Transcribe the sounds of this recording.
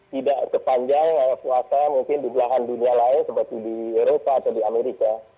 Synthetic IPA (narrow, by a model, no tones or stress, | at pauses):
t̪idaʔsəpaɲd͡ʒaŋəpuasamuŋkɪndublaɦandunialaɪnsəpərt̪idieɾopaːt̪awdiameɾika